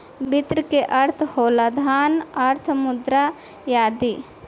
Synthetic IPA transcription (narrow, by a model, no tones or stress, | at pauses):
bɪt̪ɾkeʔɐɾt̪ʰhoːlad̪ʱaːnɐɾt̪ʰmʊd̪ɾa | jaːd̪iː